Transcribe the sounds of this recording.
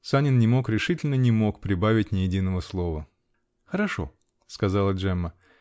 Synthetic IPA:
sanʲɪnnʲɪmo̞kɾʲɪʂɨtʲɪlʲnənʲɪmo̞kpɾʲɪbavʲɪtʲnʲɪjɪdʲinːəvəslˠo̞və | xəɾɐʂo̞̰ | skɐzɑlˠəʐɛmːə

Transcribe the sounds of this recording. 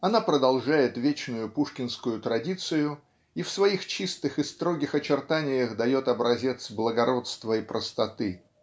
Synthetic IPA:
ɐnapɾəd̪ɐlˠʐajɪt̪vʲet͡ɕnʊjʊpuʂkʲɪnskʊjʊt̪ɾɐdʲit̪sɨjʊ | ifsvɐixt͡ɕist̪ɨxɨst̪ɾo̞ɡʲɪxɐt͡ɕɪrt̪anʲɪjəxd̪ɐjo̞t̪ɐbɾɐzʲe̞t̪sblˠəɡɐɾo̞t̪st̪vəipɾʔəst̪ɐt̪ɨ

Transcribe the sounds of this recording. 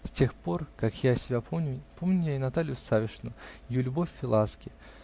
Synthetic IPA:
sʲtʲe̞xpo̞rkakjasʲɪbʲapʰomnʲʊpo̞mnʲʊjaɪnɐt̪alʲɪjʊsavʲɪʂnʊjulʲʊbo̞fʲːɪlˠaskʲɪ

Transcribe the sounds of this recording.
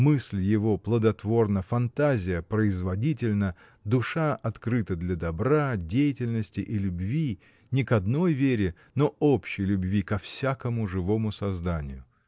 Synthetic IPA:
mɨsʲlʲjɪvo̞plˠəd̪ɐt̪vo̞rnəfɐnt̪azʲɪjəpɾəɪzvɐdʲitʲɪlʲnə | d̪ʊʂaʔɐt̪kɾɨt̪əd̪lʲɐd̪ɐbɾadʲejɪtʲɪlʲnəsʲtʲɪʔilʲʊbvʲi | nʲɪkɐd̪no̞jvʲeɾʲɪ | noopɕːɪjlʲʊbvʲikɐfsʲakəmʊʐɨvo̞mʊsɐzd̪anʲɪ̰jʊ

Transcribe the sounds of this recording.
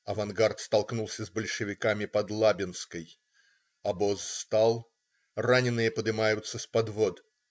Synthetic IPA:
ɐvɐnɡart̪st̪ɐlˠknulˠsʲəzbəlʲʂɨvʲɪkamʲɪpɐd̪lˠabʲɪnskəj | ɐbosːt̪alˠ | ranʲɪnːɨjəpəd̪ɨmajʊt̪səspɐd̪vo̞d̪

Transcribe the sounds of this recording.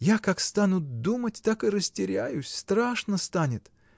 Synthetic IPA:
jakakst̪anʊt̪̚d̪umətʲt̪akɨɾəsʲtʲɪɾʲæjʊsʲst̪ɾaʂnəst̪anʲɪt̪

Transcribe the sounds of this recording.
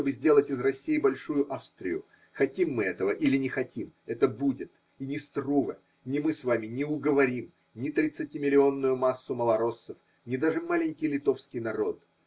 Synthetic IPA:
t̪obɨzʲdʲe̞lˠətʲɪzrɐsʲːijɪbɐlʲʂujʊʔafst̪ɾʲɪ̰jʊ̰ | xɐtʲimːɨɛt̪əvəʔilʲɪnʲɪxɐtʲimɛt̪əbudʲɪt̪ | inʲɪst̪ruvə̰ | nʲɪmɨsvamʲɪnʲɪʊɡəvɐɾʲim | nʲɪt̪ɾʲɪt̪sɨtʲimʲɪlʲɪo̞nːʊjʊmasːʊməlˠɐɾo̞sːəf | nʲɪd̪aʐɨmalʲɪnʲkʲɪjlʲɪt̪o̞fskʲɪjnɐɾo̞t̪

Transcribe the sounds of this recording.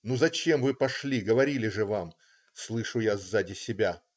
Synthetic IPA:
nuzɐt͡ɕe̞mvɨpɐʂlʲiɡəvɐɾʲilʲɪʐɨvam | slˠɨʂʊjazːadʲɪsʲɪbʲa

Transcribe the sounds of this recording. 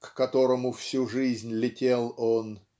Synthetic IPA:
kːɐt̪o̞ɾəmʊfsʲuʐɨzʲnʲlʲɪtʲelˠon

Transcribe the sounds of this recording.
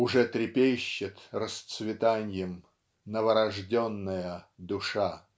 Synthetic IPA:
ʊʐɛt̪ɾʲɪpʲejɕːɪt̪rəst̪svʲɪt̪anʲjɪm | nəvəɾɐʐdʲonːəjəd̪ʊʂa

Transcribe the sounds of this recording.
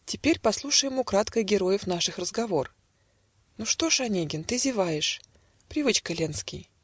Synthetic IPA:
tʲɪpʲeɾʲpɐslˠuʂəjɪmʊkɾat̪kəɡʲɪɾo̞jɪfn̪aʂɨxrəzɡɐvo̞r | nuʂt̪oʂɐnʲeɡʲɪnt̪ɨzʲɪvajɪʂ | pɾʲɪvɨt͡ɕkəlʲenskʲɪj

